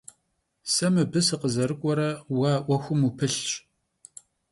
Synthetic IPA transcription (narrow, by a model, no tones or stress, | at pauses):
sɐmɨbɨsɨqəzɐɾɨkʷʼɔɾɐwaːʔʷɔxʷʊmupʰɨɬt͡ʃʼ